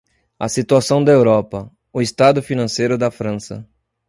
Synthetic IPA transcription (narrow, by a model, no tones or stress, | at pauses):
ɐsit̪uasɐ̃w̃d̪ɐewɾɔpɐ | ʊest̪ad̪ʊfinɐ̃sejɾʊd̪ɐfɾɐ̃sɐ̰